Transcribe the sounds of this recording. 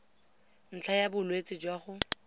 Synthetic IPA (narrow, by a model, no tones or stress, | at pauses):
n̩t͡ɬʰajabʊlwet͡sʼɪd͡ʒwaχʊ